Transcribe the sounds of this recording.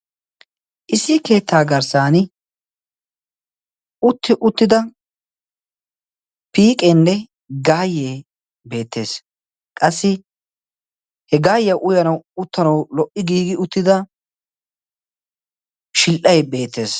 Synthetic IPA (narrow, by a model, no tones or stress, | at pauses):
ʔɪsɪke̞ːt̪ːaːɡɐɾsaːnɪ | ʊt̪ːɪʔʊt̪ːɪd̪ɐ | piːkʼenːɛ | ɡaːjːeː | be̞ːt̪ʰːe̞ːs | kʼɐsːɪ | hɛɡaːjːɐʔʊjɐnɐwʊt̪ːɐnɐwlɔʔɪɡiːɡɪʊt̪ːɪd̪ɐ | ʃɪlʔɐjɛbe̞ːt̪ːe̞ːs